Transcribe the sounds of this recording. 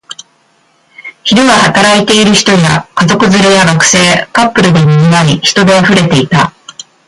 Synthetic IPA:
çiɾɯ̟βahat̪aɾait̪e̞iɾɯ̟çi̥t̪o̞jakazo̞kɯ̟zɨɾɯjaɡakɯ̟̥se̞ːkapːɯ̟ɾɯ̟d̪e̞miɲinaiçi̥t̪o̞d̪e̞aɸɯ̟ɾe̞t̪e̞it̪a

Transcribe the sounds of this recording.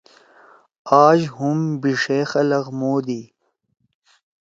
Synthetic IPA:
aːʒhʊmbiʂexɐlɐɣmoːd̪i

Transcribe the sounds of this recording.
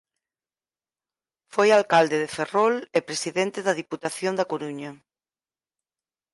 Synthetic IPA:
fojalkald̪eðeferolepɾesiðent̪eðɐð̞iput̪aθjond̪ɐkoɾuɲɐ

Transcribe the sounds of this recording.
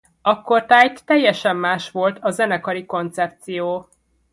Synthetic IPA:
ɒkːort̪aːjt̪ːɛjːɛʃɛmːaːʃʋo̞lt̪ʰɒzɛnɛkɒɾiko̞n̪t̪sɛp̚t̪sijoː

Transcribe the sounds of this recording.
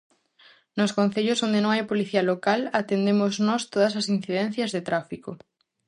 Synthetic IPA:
nʊskõn̟θeʎʊsond̪enõŋajpoliθiɐlokalat̪end̪emʊznɔst̪oðɐs̬ɐsin̟θiðɛn̟θjɐzðet̪ɾafiko

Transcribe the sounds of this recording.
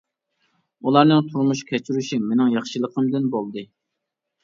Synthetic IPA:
ulˠɑɾnɨŋt̪ʰuɾmuʃkʲʰɛt͡ʃʰyɾyʃiŋmenɪŋjɑχʃɨlˠəqʰəmd̪ɨnbolˠd̪ɨ

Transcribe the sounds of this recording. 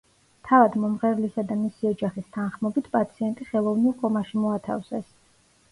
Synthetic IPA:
t̪ʰavad̪mɔmʁɛvlisad̪amisiɔd͡ʒaχist̪ʰanχmɔbit̪ʰpʼat̪sʰiɛnt̪ʼiχɛlˠɔvnilˠkʼɔmaʃimɔat̪ʰa̰fsɛs

